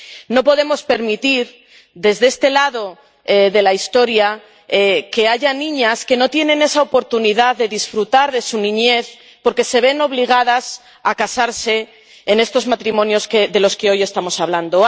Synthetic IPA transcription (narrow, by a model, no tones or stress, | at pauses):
no̞po̞ðe̞mo̞spe̞ɾmit̪iɾ | ðe̞zðee̞st̪e̞laðo̞ | eðe̞laist̪o̞ɾja | ke̞aʝanĩɲaske̞no̞t̪je̞nẽ̞ne̞sao̞po̞ɾt̪uniðaððe̞ðisfɾut̪aɾðe̞sunĩɲe̞θ | po̞ɾke̞se̞β̞e̞no̞βliɣ̞að̞as | akasaɾse̞ː | ne̞st̪ozmat̪ɾimõ̞njo̞skeðe̞lo̞skeo̞je̞st̪amo̞saβland̪o̞